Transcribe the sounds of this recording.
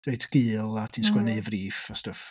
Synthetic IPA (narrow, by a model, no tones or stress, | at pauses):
d̥ejdʰɡ̥ɨːlˠatʰinskwɛneɨvriːfastəf